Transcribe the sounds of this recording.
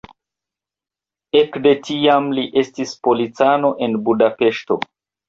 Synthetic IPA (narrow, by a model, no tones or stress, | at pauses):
e̞kde̞tiamliʔe̞stispo̞lit͡sano̞ʔe̞nbudape̞ʃto̞̰